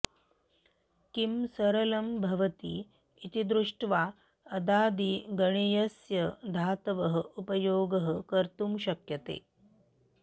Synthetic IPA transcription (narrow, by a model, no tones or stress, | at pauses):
kimsɐɾɐlɐmbʱɐʋɐt̪iː | it̪id̪ɾuʂʈʋaː | ɐd̪aːd̪iːɡɐɳ̃ijɐsjɐd̪ʱaːt̪ʋɐɦəupɐjoːɡɐɦəkɐɾt̪umɕɐkjɐt̪ḛː